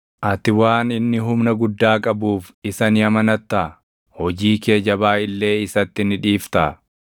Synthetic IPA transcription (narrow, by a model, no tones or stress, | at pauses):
ʔɐt̪ɪwaːnɪnːɪɦʊmnɐɡʊd̪ːaːkʼɐbuːfɪsɐnɪjɐmɐnɐt̪ːaː | hɔd͡ʒiːke̞ːd͡ʒɐbaːɪlːe̞ːɪsɐt̪ːɪnɪᶑiːft̪a